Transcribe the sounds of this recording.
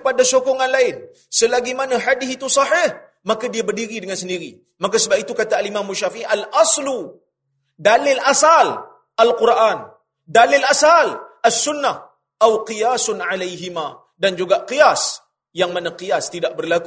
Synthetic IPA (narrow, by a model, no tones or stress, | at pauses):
padasokɔŋanlaɪn | səlaɡimanaħadɪθit̪usɑħɪh | makadiabərdiɾidəŋansəndiɾḭ | mak̬asəbap̚it̪ukat̪aːlimamuʃafiʔiʔalʔɑslu | dalɪlʔasal | ʔalqurʔan | dalɪlʔasalʔasːʊnːa | ʔawqijasʊnʕalajɦima | dand͡ʒuɡaʔqijas | jaŋmanaqijast̪idaʔ̚bərlaku